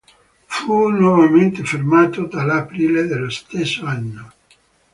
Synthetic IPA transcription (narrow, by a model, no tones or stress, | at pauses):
funwɔvament̪efermaːt̪od̪alapɾiːled̪elːost̪esːoanːo